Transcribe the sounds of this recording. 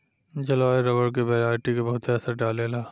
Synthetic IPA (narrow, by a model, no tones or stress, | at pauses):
d͡ʒɐlaːeɾɐbəɽk̬ebɛːɾaːɾʈikabɐɦʊt̪ɛːsaɖaːleːlaː